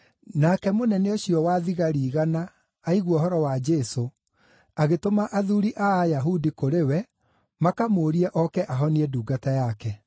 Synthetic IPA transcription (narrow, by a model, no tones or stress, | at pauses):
nakɛmonɛneoɕiɔwaðiɣaɾiːɣanaː | iɣwɔɦɔɾɔwad͡ʒɛso | aɣetomaʔaðuɾiʔaːjaɦudikoɾewɛ | makamoːɾiɛʔɔkɛʔaɦɔniɛduːɡatajakɛ